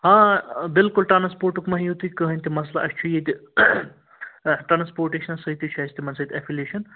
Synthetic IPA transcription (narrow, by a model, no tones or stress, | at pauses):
ɦãbɪlkulʈɾanspoːɾʈukmɐɦijut̪ukəɦənʲt̪imɐs̬laɐst͡ʃʰujet̪i | ʈɾaːnspoːɾʈeʃnɐsɐit̪it͡ʃʰɐsʰt̪ʰimɐnsət̪ʲɛfʰileːʃɐn